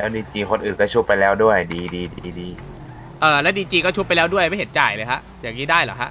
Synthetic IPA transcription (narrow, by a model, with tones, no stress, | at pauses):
lɛː˦˥wdiː˧t͡ɕiː˧kʰo˧nʔɯː˨˩nkɔː˥˩t͡ɕʰu˦˥pːa˧jlɛː˦˥wdu˥˩əjdiː˧diː˧diː˧diː˧ | ʔɤː˨˩lɛ˦˥wdiː˧t͡ɕiː˧kɔ˥˩t͡ɕʰu˦˥pːa˧jlɛː˦˥wdu˥˩əjma˥˩jhe˩˦t̪̚t͡ɕaː˨˩jlɤː˧jkʰa˦˥ʔjaː˨˩k̚niː˦˥daː˥˩jla̰ː˨˩kʰa˦˥ʔ